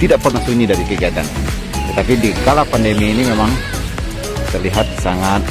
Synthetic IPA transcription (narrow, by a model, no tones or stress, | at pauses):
t̪idaʔpɔrnasuɲidaɾikəɡiat̪a̰n | t̪ət̪apidikalapandemiːnimemaŋ | t̪ərliɦat̪̚saŋat̪̚